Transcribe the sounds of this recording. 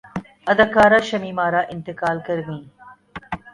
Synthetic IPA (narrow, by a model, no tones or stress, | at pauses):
ɐd̪ɐkaːɾaːʃɐmiːmaːɾaːʔɪnt̪ɪkaːlkɐɾʋĩː